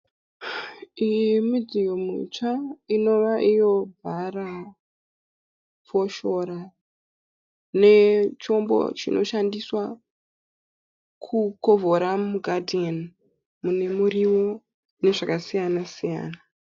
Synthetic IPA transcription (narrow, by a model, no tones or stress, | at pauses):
imid͡zijomḭt͡ʂaino̞ʋaʔijo̞bʱara | fo̞ʃo̞ɾa | ne̞t͡ʃo̞mbo̞̰t͡ʃḭnʔo̞̰ʃandiswa | kʰuko̞vʱoɾamuɡʱadʱen | mune̞muriwo | ne̞ʐakasijanasija̰ːna